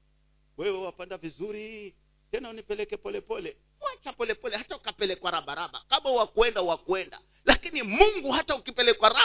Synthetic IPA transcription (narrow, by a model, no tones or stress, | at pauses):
wɛwɛwapandavizuɾi | tɛnaunipɛlɛkɛpɔlɛpɔlɛ | wat͡ʃapɔlɛpɔlɛhataukapɛlɛkwaɾaɓaɾaɓa̰kaɓawakuwɛndauwakuɛnda̰ | lakinimuŋɡuɦataukipɛlɛkwaɾa